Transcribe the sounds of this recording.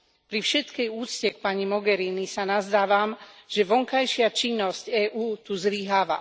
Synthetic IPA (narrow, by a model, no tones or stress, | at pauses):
pɾifʃɛt̪kɛjuːt͡scɛkpaɲimɔɡɛɾiːnisanazd̪aːʋamʒ̥ɛʋɔŋkajʃɪat͡ʃinːɔscɛːʔuːt̪uzliɦaːʋa̰